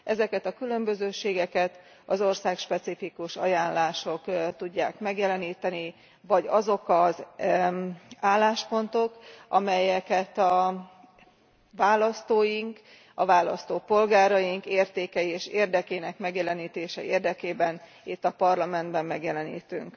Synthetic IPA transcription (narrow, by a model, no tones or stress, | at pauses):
ʔɛzɛkɛt̪ɒkylø̞mbø̞zøːʃeːɡɛkɛt̪ | ɒzo̞rsaːkʃpɛt̪sifikuʃɒ̰jaːnlaːʃo̞kt̪uɟːaːkmɛɡjɛlɛniːt̪ɛni | vɒɟɒzo̞kɒz | aːlːaːʃpo̞nt̪o̞kɒmɛjɛkɛt̪ɒ | vaːlɒst̪oːjiŋk | ɒvaːlɒ̰st̪oːpo̞lɡaːɾɒjiŋkeːrt̪eːkɛjieːʃeːrd̪ɛkeːnɛkmɛɡjɛlɛniːt̪eːʃɛʔeːrd̪ɛkeːbɛn | it̪ːɒpɒrlɒmɛnd̪bɛmːɛɡjɛlɛnḭːt̪yŋk